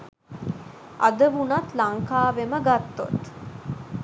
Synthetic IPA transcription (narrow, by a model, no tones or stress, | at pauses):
ʔa̰d̪əʋunat̪laŋkaːʋeməɡat̪ːo̰t̪